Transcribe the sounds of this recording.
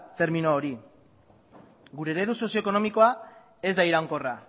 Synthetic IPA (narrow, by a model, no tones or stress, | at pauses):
t̪e̞ɾmino̞ːɾi | ɡuɾe̞ːɾe̞ðuso̞sioeko̞no̞miko̞a | e̞zd̪aiɾaŋko̞ra